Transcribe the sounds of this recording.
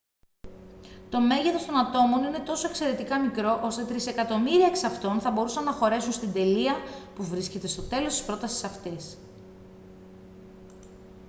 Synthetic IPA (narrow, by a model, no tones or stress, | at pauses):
t̪o̞me̞ʝeθo̞st̪o̞nɐt̪o̞mo̞nine̞t̪o̞soekse̞ɾe̞t̪ikɐmikɾo̞ʔo̞st̪e̞t̪ɾise̞kɐt̪o̞miɾiɐeksɐft̪o̞nθɐbo̞ɾusɐnːɐxo̞ɾe̞sunst̪ind̪e̞liɐpuvɾisce̞t̪e̞st̪o̞t̪e̞lost̪ispɾo̞t̪ɐsi̥sɐft̪is